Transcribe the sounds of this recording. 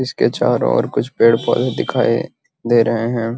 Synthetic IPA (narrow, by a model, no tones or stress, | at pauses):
ɪsket͡ʃa̰ːɾɔ̰̃ɔ̰ːɾkʊt͡ʃʰpeːɽpɔ̰ːld̪ɪkʰaːḭ | d̪eːɾɐɦeɦɛ̃ː